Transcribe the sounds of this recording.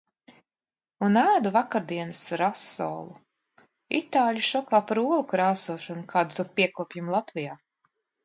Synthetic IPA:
unæːd̪uvakaɾd̪iɛnɨsɾasːɔ̰ːlˠu | it̪aːlʲuʃɔkaːpaɾuɔlˠukɾaːsuɔʃɔnukʰaːd̪ut̪uɾpʲiɛkuɔpjimlˠat̪vijaː

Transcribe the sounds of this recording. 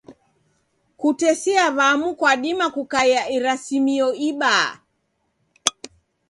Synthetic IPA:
kutɛsiaβamukwaɗimakukaiaʔiɾasimiɔiɓa

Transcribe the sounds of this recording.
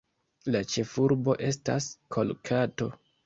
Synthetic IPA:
lat͡ʃe̞fuɾbo̞ʔe̞s̬ta̰skʰo̞lkʰato̞

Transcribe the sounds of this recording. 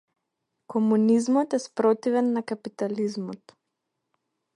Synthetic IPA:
kɔmunizmɔt̪ɛspɾɔt̪ivɛnːakapit̪alizmɔt̪

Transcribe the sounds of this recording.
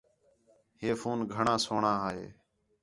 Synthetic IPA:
heːfuːnɡʱəɳãːsoːɳaːɦaːɦḛː

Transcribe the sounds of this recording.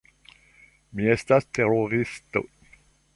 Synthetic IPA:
miest̪ast̪eroʁist̪o̰

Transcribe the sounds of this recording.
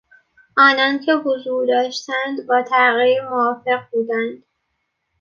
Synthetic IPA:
ʔɒːnɒːncʰe̞ɦozuːɾd̪ɒːʃt̪ænd̪bɒːt̪ʰæɣiːɾmoɒːfe̞ɣbuːd̪ænd̪̥

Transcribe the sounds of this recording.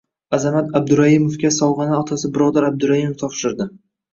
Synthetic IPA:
azamat̪ab̚d̪ʊɾahimofkʲasɒlˠʁɑnaɒt̪ʰasɪbɪɾɒd̪aɾab̚d̪ʊɾahimoft̪ʰɒpʃɪɾd̪ɪ

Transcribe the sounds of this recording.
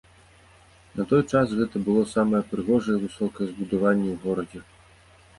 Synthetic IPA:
nɐt̪ɔjt͡ʂasɣɛt̪ɐbɨlˠɔsamɐjɛpɾɨɣɔʐɐjɛvɨsɔkɐjɛzbud̪avanʲːɛwɣɔɾɐd͡zʲɛ

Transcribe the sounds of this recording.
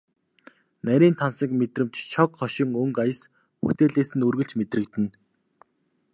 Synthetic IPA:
næɾʲiːnt̪ʰansə̆kmet̪rɘ̆mt͡ɕt͡ɕʰɔkχɔʃɪ̆ŋɵŋkajə̆s | xut̪eːɮeːsɘ̆nɵrɣɘ̆ɬt͡ɕmet̪rɘ̆kt̪ɘ̆n

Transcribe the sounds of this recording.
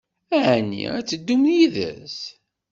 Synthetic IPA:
æʕnːḭæt͡sːəd̪ːumjiðæ̰s

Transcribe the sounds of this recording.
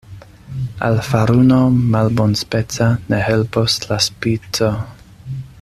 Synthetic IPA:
a̰lfaɾunomalbonspet͡sanehelposlaspit͡so

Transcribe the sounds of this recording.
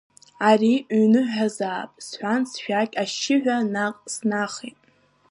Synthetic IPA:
arinɨħʷᶣazaːpʼsħʷansʃᶣakʲʼaʃɪħᶣʷanaqʼsnaχitʼ

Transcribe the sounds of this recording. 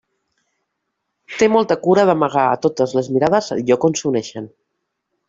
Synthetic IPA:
t̪emɔlˠt̪əkuɾəðəməɣ̞aə̰t̪ot̪əzləzmiɾað̞əz̰ʎɔkonsunɛʃən

